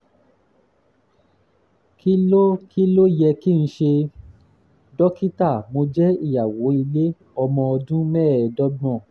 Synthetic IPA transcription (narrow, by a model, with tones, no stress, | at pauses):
ki˦lo˦ki˦lo˦jɛ˧ki˦ñ̩˦ʃe˧ | dɔ˦ki˦ta˦˨mo˧d͡ʒɛ˦i˦˨ja˨wo˨˦i˧le˦ | ɔ˧mɔ̃˧ɔ˧dũ˦mɛː˦˨dɔ˦bɔ̃˦˨